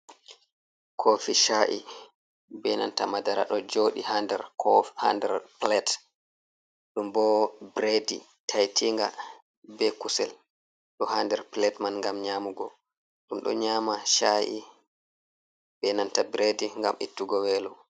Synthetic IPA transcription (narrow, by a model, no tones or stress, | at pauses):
kʰofiʃaʔi | bɛna̰ntamadaɾa̰ɗɔd͡ʒoɗḭhandɛɾkɔha̰ndɛɾplɛt | ɗumbɔbɾedḭ | tʰajtʰiŋɡa̰ | bɛkusɛl | ɗɔhandɛɾplɛtmanŋɡamɲamuɡɔ̰ | ɗumɗɔ̰ɲaːmaʃaʔḭ | bɛnantabɾediŋɡamitːuɡɔwɛlu